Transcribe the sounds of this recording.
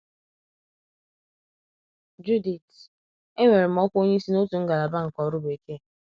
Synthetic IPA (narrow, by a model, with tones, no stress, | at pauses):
d͡ʒu˦di˨t | e˦ŋʷe˨ɾɪ˨m̩˦ɔ˦kʷo˦ɲe˦i˦si˦no˦tu˨ŋ̩˦ɡa˨la˨ba˦ŋ̩˨kɔ˨ɾʊ˦be˨ke˦˨